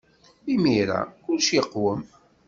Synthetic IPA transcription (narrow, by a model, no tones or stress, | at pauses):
imiɾa̰kʊlʃjəqːwəm